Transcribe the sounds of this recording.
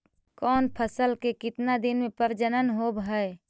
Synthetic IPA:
kɔːnpʰəsəlkekɪt̪nad̪ɪnmẽpəɾd͡ʒənənɦoːbɦəe

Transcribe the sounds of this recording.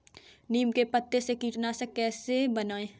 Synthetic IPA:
niːmkepət̪ːesekiːʈnasekɛːsebɐnaːẽː

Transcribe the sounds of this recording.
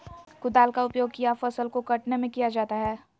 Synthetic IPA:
kʊd̪aːlkaʊpjoːɡ̚kijafɐsəlkokɐʈnemẽkijad͡ʒaːt̪aɦɛː

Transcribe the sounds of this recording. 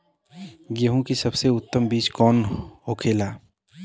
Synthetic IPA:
ɡəɦũkisɐbseʊt̪ːəmbiːt͡ʃkɔːnɦoːkʰeːlaː

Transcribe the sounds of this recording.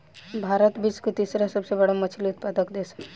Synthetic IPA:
bʱaːɾət̪biskot̪iːsɾasəbsebəɽamət͡ʃʰilʊt̪̚pad̪əkd̪eːsə̥

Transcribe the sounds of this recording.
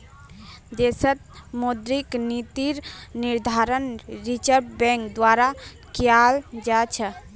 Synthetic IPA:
d̪esət̪̚mod̪ɾiknit̪iɾniɾd̪ʱaɾənɾit͡ʃəɾbbɛ̃ŋkd̪waɾa | kjald͡ʒat͡ʃʰə

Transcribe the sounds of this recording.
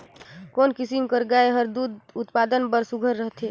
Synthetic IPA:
konkisimkəɾɡaeɦəɾd̪ud̪ut̪pad̪ənbəɾsuɡʱəɾːəɦt̪ʰe

